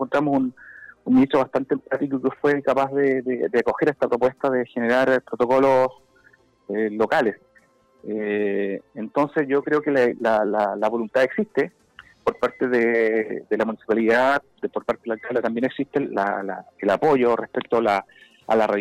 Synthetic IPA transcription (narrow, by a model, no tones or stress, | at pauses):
kont̪ɾamosununminiht̪ɾoβast̪ant̪eempat̪ik̬okefwekapazðeðed̪eako̞xeɾet̪apɾopwe̞st̪aðexeneɾaɾpɾot̪o̞kolo̞s | elo̞kales | e | ent̪o̞nsesʝokɾeokelalalalaβo̞lunt̪aeksiht̪e | po̞ɾpaɾt̪eðed̪elamunisipaliða | d̪poɾpaɾt̪eelalkald̪at̪ambjeneksit̪ela̰la̰elapoʝorʔehpek̚t̪oala | a̰lara